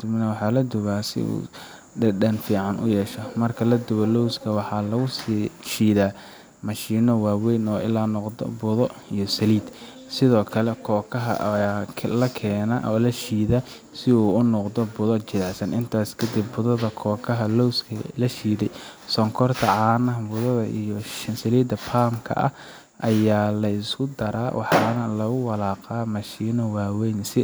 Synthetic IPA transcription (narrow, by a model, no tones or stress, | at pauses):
d̪ɪbnɐwɑħɑːlɐd̪ʊβaːsɪ̰ṵː | ɖɐdɐnfiːʕɑnʔʊ̰jɛːʃɐmɐrkʰɐlɐd̪ʊβɐlɔwskʰɐwɑħɑlɐɣʊsʃiːðaː | mɑʃiːnɔwaːwɛjnɔːɪlaːnɔqdɔ̰bʊðɔijɞsɐliːd̪ | sɪðɔːkʰɐlɛkʰɔːkʰɐɦɐ̰ʔʰ | lɐkʰɛːnɐʔɔːlɐʃiːðɐ | sɪuːʊnɔqd̪ɔbʊðɔt͡ʃɪðɛʕsɐnʔɪnt̪ʰaːskʰɐd̪ibːʊðɐðɐkʰɔːkʰɐɦɐlɔwskʰɐlɐʃiːðɛjsɔŋkʰɔrt̪ʰɐʕɑːnɐɦbʊðɐðɐʔḭjɔsɐliːd̪ɐpʰaːmkʰɐ̰ʔɐ̰h | ʔɐjaːlɐɪskʰʊd̪ɐɾa̰ːwʔɑ̰ħɑnɐlɐɣʊwɑlaːqaːmɐʃiːnɔwaːwɛjnsɪ